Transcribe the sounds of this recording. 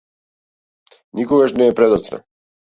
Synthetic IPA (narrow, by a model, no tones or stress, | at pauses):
nikɔɡaʃnɛːpɾɛd̪ɔt̪sna̰